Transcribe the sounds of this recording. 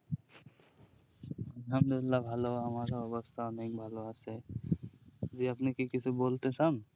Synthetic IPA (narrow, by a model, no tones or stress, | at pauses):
ɐlɦəmd̪uɪlːabʱaloɦamaɾaɔbɔst̪ʰaɔneŋbʱaloase | d͡ʒiapnekikit͡ʃʰebolt̪esan